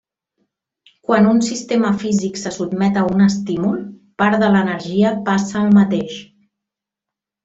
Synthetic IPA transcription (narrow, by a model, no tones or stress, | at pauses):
kwanunsist̪eməfiziksəsud̪mɛt̪əunəst̪imulˠ | paɾðələnəɾʒiəpasəːlˠmət̪eʃ